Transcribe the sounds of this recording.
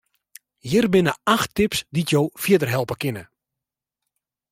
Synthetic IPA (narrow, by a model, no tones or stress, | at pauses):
jɪrbɪnəaxtɪpsditjoːfiədərɦɛlˠpəkɪnə